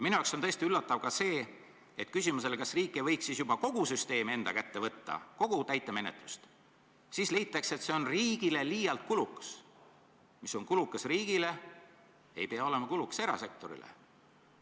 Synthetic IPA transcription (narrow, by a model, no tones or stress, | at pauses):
jminujɑwkso̞nt̪ɤe̞st̪iylːɑt̪ːˑɑvkɑse̞ː | et̪ːˑkysʲimus̬e̞lekɑsriːkˑːejvɤ̞jksisjub̥ɑko̞ɡ̥usyst̪e̞ːme̞nd̪̥ɑ̰kæt̪ːe̞vɤt̪ːɑ̰ko̞ɡ̥ut̪æjt̪ːˑe̞me̞ne̞t̪ˑlust̪ | sisle̞jt̪ːˑɑkse̞t̪seo̞nriːɡ̥ile̞liːjɑlt̪̚kuluks | miso̞ŋkulukːˑɑsriːɡ̥ile̞ | e̞̰jpe̞ɑo̞le̞mɑkulukse̞ɾɑ̰se̞k̚t̪o̞ɾḭlḛ